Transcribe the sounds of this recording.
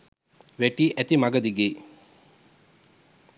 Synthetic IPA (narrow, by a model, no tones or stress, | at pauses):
ʋæʈiːʔæt̪imaɡɐd̪iɡeː